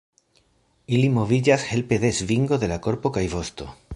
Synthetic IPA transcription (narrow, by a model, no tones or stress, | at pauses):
ilimo̞vid͡ʒashe̞lpe̞ðe̞zviŋɡo̞ðe̞lako̞ɾpo̞kajvo̞st̪o̞̰